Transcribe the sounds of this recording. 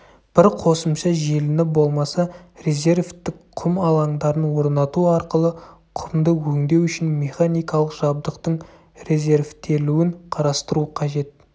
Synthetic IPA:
b̥ɪɾqʰo̞səmʃɑʒelɪnɪbo̞lˠmɑsɑre̞ze̞ɾvt̪ːɪkqʰʊmɑlˠɑŋd̪ɑɾənwo̞ɾnɑt̪uɑɾqəlˠə | qʰʊmd̪əwɵŋd̪e̞wʏʃɪnme̞χanijkɑlˠəqʒ̥ɑb̚d̪əqt̪əɴ | re̞zʲe̞ɾvt̪ʰe̞luɪɴqʰɑɾɑst̪əɾuqʰɑʒe̞t̪̚

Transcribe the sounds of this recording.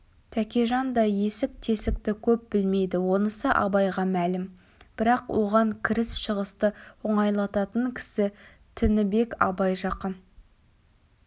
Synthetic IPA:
t̪ʰækʲeʒɑnd̪ɑje̞sɪk̚t̪ʰe̞sɪk̚t̪ɪkʲʰɵp̚bɪlme̞jd̪ɪwo̞nəsəʔɑ̰bɑjʁɑmælɪm | b̥ɪɾɑqwʔo̞ʁɑŋkʲʰɪɾɪsʃəʁəst̪əʊɴɑjlˠɑt̪ɑt̪əŋkʲʰɪ̥sɪ | t̪ʰɪnɪbe̞kɑ̰bɑjʒɑqən

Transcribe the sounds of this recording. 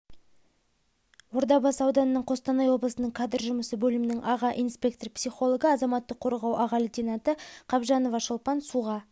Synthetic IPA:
woɾd̪ɑbɑsɑwd̪ɑnənəɴqʰost̪ɑnɑjwo̞blˠəsənəɴkʰɑd̪ərʒʊməsəbɵlɪmɪnɪŋʔɑʁɑʔijnspʲe̞k̚t̪orpsiχo̞lˠo̞ɡəɑzɑmɑt̪ːəqʰːo̞ɾʁɑwʔɑʁɑlit̪ʲinɑt̪əqʰɑbʒɑno̞vɑʃəlˠpɑnsuʁɑ

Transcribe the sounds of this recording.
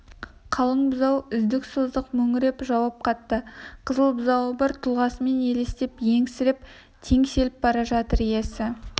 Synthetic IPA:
qʰɑlˠəɴbʊzɑwʏzd̪ɪksozd̪əqmɵŋɪɾe̞pʒɑwɑp̚qʰɑt̪ːəqʰəzəlˠbzɑwəbɑɾt̪ʰulˠʁɑsəme̞ne̞le̞st̪epje̞ŋsɪɾɪp̚ | t̪ʰe̞ŋse̞lɪp̚bɑɾɑʒɑt̪əɾje̞sɪ

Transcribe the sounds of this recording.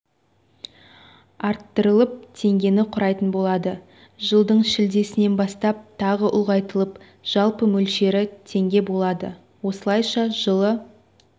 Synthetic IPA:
ɑɾt̪ːəɾəlˠəp̚t̪ʰe̞ŋɡʲe̞nɪqʰʊɾɑjt̪ənbo̞lˠɑd̪ə | ʒəlˠd̪əɴʃɪld̪e̞sɪne̞nbɑst̪ɑp̚t̪ʰɑʁəʔʊ̰lˠʁɑjt̪əlˠəp | ʒ̥ɑlˠpəmɵlʃe̞ɾɪt̪ʰe̞ŋɡʲe̞bo̞lˠɑd̪ə̰ | wo̞səlˠɑjʃɑʒəlˠə

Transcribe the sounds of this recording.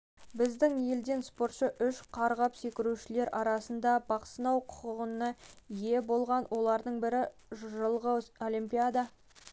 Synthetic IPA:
bɪzd̪ɪŋje̞ld̪e̞nspo̞ɾt̪ʃəʔʏʃqʰɑɾʁɑpse̞kʲɪɾuʃɪle̞ɾʔɑɾɑsənd̪ɑbɑqsənɑwqʰʊ̥qəʁənəje̞bo̞lˠʁɑnwʔo̞lˠɑɾd̪əɴbɪɾɪʒʒəlˠʁəo̞limpʲijad̪ɑ

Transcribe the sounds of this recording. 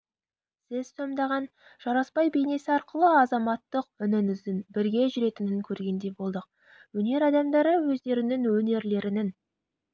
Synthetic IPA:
sɪz̥so̞md̪ɑʁɑn | ʒ̥ɑɾɑspɑjbe̞jne̞sɪɑɾqəlˠəɑzɑmɑt̪ːəqʏnɪnɪzd̪ɪnbɪɾɡʲe̞ʒʏɾe̞t̪ɪnɪŋkʲʰɵɾɡʲe̞nd̪e̞bo̞lˠd̪əq̚ | wɵne̞ɾɑd̪ɑmd̪ɑɾəwɵzd̪e̞ɾɪnɪŋwɵne̞ɾle̞ɾɪnɪn

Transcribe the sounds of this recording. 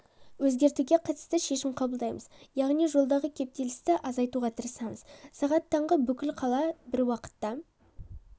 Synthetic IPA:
wɵzɡʲe̞ɾt̪uɡʲe̞qʰɑt̪ə̥st̪əʃe̞ʃɪmqʰɑbəlˠd̪ɑjməzjɑʁnijʒo̞lˠd̪ɑʁəkʲʰe̞p̚t̪e̞lɪst̪ɪʔɑzɑjt̪uʁɑt̪ʰəɾəsɑɴəz̥sɑʁɑt̪ʰːɑɴʁəbʏkʲɪlqʰɑlˠɑbɪɾwɑqə̥t̪ːɑ

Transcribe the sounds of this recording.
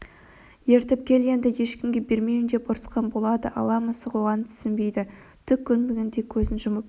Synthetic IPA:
je̞ɾt̪ɪp̚kʲʰe̞lɡʲe̞nd̪ɪje̞ʃkʲɪmɡʲe̞be̞ɾmemɪnd̪e̞pʊɾsqɑnbo̞lˠɑd̪ə̰ʔɑ̰lˠɑməsəʁoʁɑnət̪ʰʏ̥sɪmbe̞jd̪ɪ | t̪ʰʏkʲʰːʏnmeɡʲend̪ekʲʰɵzɪnʒʊməp

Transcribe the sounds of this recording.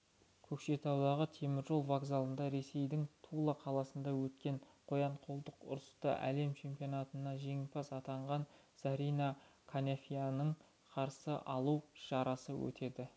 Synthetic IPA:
kʲʰɵkʃe̞t̪ʰɑwd̪ɑʁət̪ʰe̞mɪɾʒo̞lˠvaɡzalˠənd̪ɑɾe̞se̞jd̪ɪŋt̪ʰulˠəqʰɑlˠɑsənd̪ɑwɵt̪kʲe̞ɴqʰo̞jɑɴqʰolˠd̪əqʊ̰ɾəst̪ə̰ʔæ̰le̞mt͡ʃʰe̞mpijo̞nɑt̪ənɑʒe̞ŋɪpɑsɑt̪ɑɴʁɑn | sɑɾijnɑkʰanafʲijanəɴ | qʰɑɾsəʔɑlˠuwʃɑɾɑsəwɵ̰t̪e̞d̪ɪ

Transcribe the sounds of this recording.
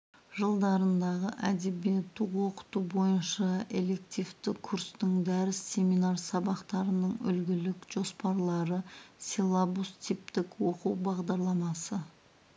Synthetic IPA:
ʒəlˠd̪ɑɾənd̪ɑʁəʔæd̪e̞bijet̪ːɪqwo̞qə̥t̪ubo̞jənʃɑe̞le̞k̚t̪ijft̪ɪkʰuɾst̪ɪŋd̪æɾɪsːe̞mijnaɾsɑbɑqt̪ɑɾənəɴʏ̰lɡʲɪlɪkʒ̥o̞spɑɾlˠɑɾəsʲelˠabust̪ʰip̚t̪ɪkwo̞quwbɑʁd̪ɑɾlˠɑmɑsə

